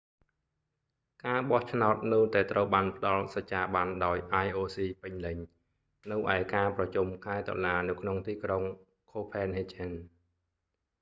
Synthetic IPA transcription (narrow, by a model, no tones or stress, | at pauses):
kaːɓɑht͡ɕʰnaɔt̪̚nɨwt̪aɛt̪rəwɓaːnpə̆ɗɑlsɑct͡ɕːaːɓanɗaɔjʔajʔoːsiːpɨɲlɨɲ | nɨwʔaɛkaːprɑt͡ɕumkʰaɛt̪o̰laːnɨwkʰnoŋt̪iːkroŋ | kʰoːpʰɛːnhet͡ɕɛn